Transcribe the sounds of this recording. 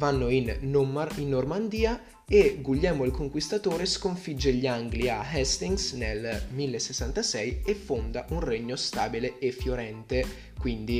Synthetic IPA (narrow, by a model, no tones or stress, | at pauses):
vanːoin | inːormand̪iːa | eɡuʎːɛːmoilkoŋkwist̪at̪oːɾeskoɱfid͡ʒːeʎːiaŋɡliaɦɛst̪iŋɡsnelmilːesesːant̪asɛjefːond̪aʔunreɲːost̪aːbileefːjoɾɛnt̪e | kwind̪i